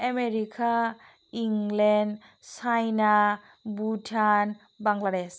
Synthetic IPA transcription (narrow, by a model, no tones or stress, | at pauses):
emeɾikʰa | iŋlen | sajna | butʰan | baŋɡlades